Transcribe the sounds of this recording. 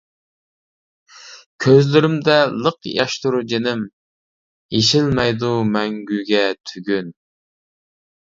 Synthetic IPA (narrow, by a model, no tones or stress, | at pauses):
kʲʰøzlɪɾɪmd̪ɛlˠəqjɑ̰ʃt̪uɾd͡ʒenɪm | jeʃɪlmɛjd̪umɛŋɡʲyɡʲɛt̪ʰyɡʲyn